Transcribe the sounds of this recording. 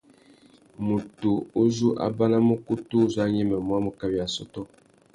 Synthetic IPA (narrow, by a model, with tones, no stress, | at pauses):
mu˨tu˨o˦zu˦ʔa̰˦ba˦na˦mu˦ku˦tu˦za˦ɲɛ˦mɛ˨mwa˦mu˨ka˨bi˨a˨sɔ˦tɔ˦